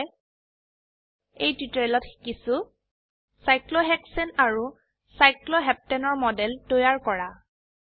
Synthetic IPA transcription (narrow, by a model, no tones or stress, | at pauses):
ejtitɹɛlɔtxi̥kisu | sajklɔɦɛksɛnaɹu | sajklɔɦɛp̚tɛnɔɹmɔdɛltojaɹkɔɹa